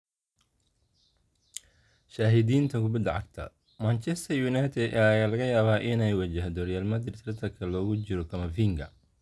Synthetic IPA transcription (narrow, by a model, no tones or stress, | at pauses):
ʃaːɦɪd̪iːnt̪ʰɐkʰʊbɪd̪ɐʕɑ̰ɡ̚t̪ʰɐ̰ | mɐnt͡ʃɛst̪ʰɐrjuːnajt̪ʰɛd̪ɐjaːlɐɣɐjaːβaːʔɪnɛjwɐt͡ʃɐɦd̪ɔːrjaːlmɐd̪rɪt̪ʰɾɐt̪ʰɐkʰɐlɔːɣʊt͡ʃɪɾɔkʰɐmɐfiŋɡɐ̰